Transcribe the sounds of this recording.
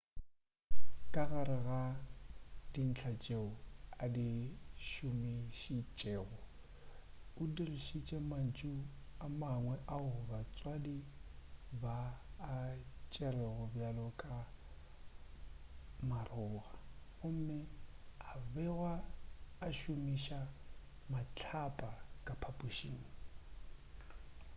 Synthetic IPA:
kʼaɣaɾɪɣa | din̩t͡ɬʰat͡ʃʼeʊadiʃʊmɪʃit͡ʃʼeːɣʊ | ʊdirɪʃit͡ʃʼɛman̩t͡ʃʼʊamaŋwɛʔaʊʊbat͡sʼwadi | baː | t͡ʃʼɛrɛɣʊbjalɔkʼa | marʊːɣaɣʊm̩mɪabɛɣwaː | ʃʊmiʃa | mat͡ɬʰapʼakʼapʰapʼuʃḭːŋ̩

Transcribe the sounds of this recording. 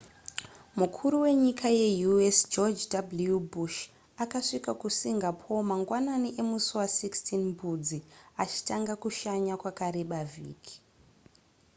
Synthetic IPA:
mukʰuɾuwe̞ɲikʰaje̞juesd͡ʒod͡ʒdabljubuʃ | akaʂikakusiŋɡapʰo̞maŋɡwananiʔe̞musuwasikstinmbud͡ziat͡ʃi̥taŋɡakuʃaɲakwakaɾe̞ɓavʱḭːkʰi̥

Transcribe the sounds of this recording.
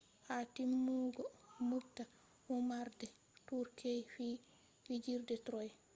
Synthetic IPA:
hatimːuːɡɔmubta | humaɾdɛ | tuɾkʰejfi | wid͡ʒiɾdɛtɾɔj

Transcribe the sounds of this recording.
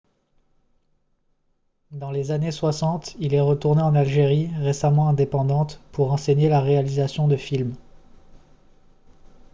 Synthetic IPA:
d̪ɑ̃lezaneswasɑ̃t̪ilɛʁət̪uʁneɑ̃nalʒeʁiʁesamɑ̃ɛ̃d̪epɑ̃d̪ɑ̃t̪puʁɑ̃seɲelaʁealizasjɔ̃d̪əfilm

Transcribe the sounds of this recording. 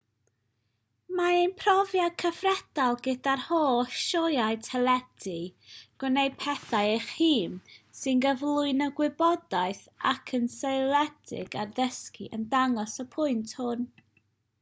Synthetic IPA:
maejnpʰrɔvjadkʰəfrɛd̥alˠɡɛdarhoːʃɔjaɨtʰɛlˠɛd̥iɡ̥ɔnejpʰɛθaɨejχhiːmsɨnɡəvlˠʊɨnəɡwɪbɔdaɨθ | a̰kʰənseɨlˠɛd̥ɪ̰ɡarðəskḭʔəndaŋɔsɔpʰʊɨntʰhʊn

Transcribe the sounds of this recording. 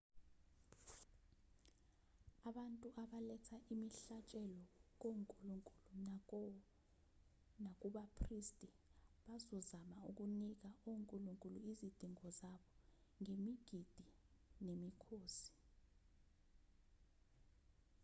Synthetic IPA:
aɓantʼuʔaɓalɛtʰaʔimiɬat͡ʃʼɛlɔk̬oŋkʼuluŋkʼulunakɔ | nak̬ʼuɓapʰristʼi | ɓazɔzamauk̬unik̬aoŋkʼuluŋkʼuluizid̥ʱiŋɔzaɓɔŋemiɡ̥ʱid̥ʱi | nemikʰoːsi̥

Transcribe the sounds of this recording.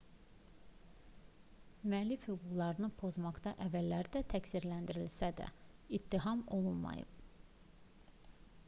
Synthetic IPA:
myæːlːifhyɡuɡlˠɑɾɯnɯpʰo̞zmɑɡd̪ɑʔævːælːæɾid̪æt̪ʰæcsiɾlænd̪iɾilsæd̪æ̰it̪ːiɦɑmo̞lˠunmɑ̰jɯ̰b̥

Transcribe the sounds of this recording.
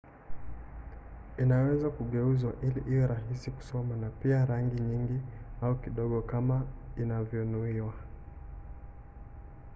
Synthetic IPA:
inawɛzakuɠɛuzwaʔiliʔijɔɾaɦisiku̥sɔmanapiaɾaŋɡiɲiŋɡiaukiɗɔɠɔkamainavjɔnuiwa

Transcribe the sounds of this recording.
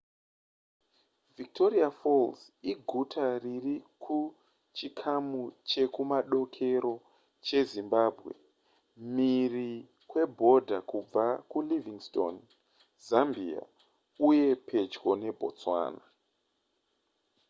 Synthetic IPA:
vik̚tʰo̞riafols | iɡʱutʰaririkʰu | t͡ʃikʰamut͡ʃe̞kumaɗo̞kʰe̞ɾo̞ | t͡ʃe̞zimbaːbʱɣe̞̰ | miri | kwe̞bʱo̞dʱakub͡vakuliviŋsto̰n | zambia̰ | uje̞pʰe̞t͡ʃko̞ne̞bʱo̞̰t͡swa̰ːna

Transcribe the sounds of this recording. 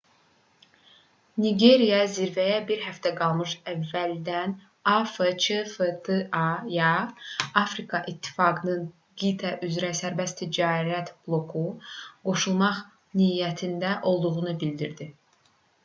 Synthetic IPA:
niɡe̞ɾijɑziɾvæjæbiɾɦæft̪ʰæɡɑlˠmɯʃævːæld̪æn | ɑfət͡ʃʰəfət̪ʰəɑjɑɑfɾikʰɑʔit̪ʰːi̥fɑɡɯnɯn | ɡit̪ʰæʔyzɾæsæɾbæst̪ʰid͡ʒɑːɾæt̪b̥lˠo̞kʰuɡo̞ʃulˠmɑχ | nijæt̪ʰind̪æʔo̞lˠd̪uʁunubild̪iɾd̪i

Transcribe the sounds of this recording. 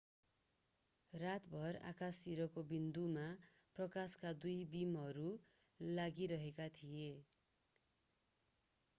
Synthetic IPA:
rat̪bʱʌra̰kasiɾʌkobind̪uma | prʌkaskad̪ujbimɦʌɾu | laɡiɾʌɦekat̪ʰije

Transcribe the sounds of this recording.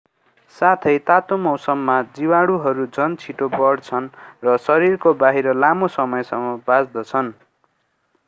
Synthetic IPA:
sat̪ʰʌjt̪at̪omʌwsʌmːad͡ziwaɽuɦʌɾud͡zʌnt͡sʰiʈobʌɽt͡sʰʌnrʌsʌɾirkobaɦiɾʌlamosʌmʌjsʌŋʌbad͡zd̪ʌt͡sʰʌn

